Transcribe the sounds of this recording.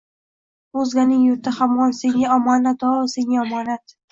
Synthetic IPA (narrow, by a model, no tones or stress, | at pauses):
ozlʲanɪŋjʊɾt̪ʰahamwɒnseŋaɒmɒnat̪ʰɒseŋʲaɒmɒnat̪